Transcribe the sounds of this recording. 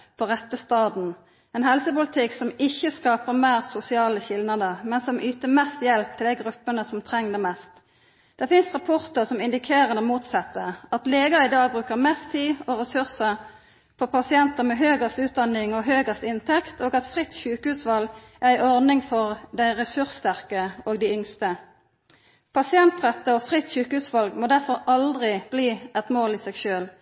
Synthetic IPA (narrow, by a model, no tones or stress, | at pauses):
pʰɔʁɛt̪ːəst̪ɑːd̪n̩ | ɛnhɛlsəpʊlɪt̪ʰɪksɔmɪçːəskɑːpəʁmæːʁsʊsɪɑːləçɪlnɑd̪əmɛnsɔmʔyːt̪əmɛst̪jɛlp̚t̪ʰɪld̪æɪɡʁʉpːənəsɔmt̪ʰʁɛŋd̪əmɛst̪ | d̪̥ɛʁfɪnst̪ʁɑpʰɔʁt̪əʁsɔmɪnd̪ɪkʰeːʁənəmuːt̪sɛt̪ːəɑt̪leːɡəʁɪd̪ɑːɡ̚bʁʉːkəʁmɛst̪ʰiːɔʁɛsʉʁsə | pʰɔpɑsɪɛnt̪əmɛɦøːɡəst̪ʉːt̪̚d̪ɑnɪŋɔɦøːɡəst̪ɪnt̪ʰɛkt̪ʰoːɡɑt̪fʁɪt̪ːçʉːkəhʉːsʋɑl | æʁæɪʔɔʁnɪŋfɔʁd̪æɪʁɛsʉʁsst̪æʁkəoːɡd̪æɪʏŋst̪ə | pʰɑsɪɛnt̪ʁɛt̪ːəɔːfʁɪt̪ːɕʉːkəhʉːsʋɑlɡmoːd̪æʁfɔʁɑld̪ʁɪb̥liːʔɛt̪moːliːsɛːɡʃøːl